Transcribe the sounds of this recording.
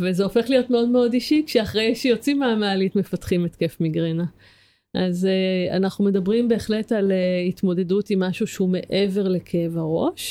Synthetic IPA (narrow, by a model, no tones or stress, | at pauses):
vezeo̞feχlijo̞tme̞o̞dmeo̞diʃikʃeaχʁejʃejo̞t͡simaːmaalitmefatχimetke̞fmiɡʁena | ʔazea̰naχnume̞dabʁimbe̞ːχle̞taleitmo̞de̞dutimːaʃuʃeume̞ʔe̞ve̞ʁle̞kʰeevaʁo̞̰ʃ